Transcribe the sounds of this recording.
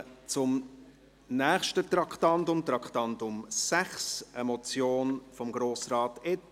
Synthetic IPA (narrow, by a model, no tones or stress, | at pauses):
t͡sʊm | nɛːχʃtətɾɑkχtɑntʊmt̪ɾɑkʰtɑntʊmsæχsəmɔt͡sjoːnfɔmɡɾoːsrɑːtɪt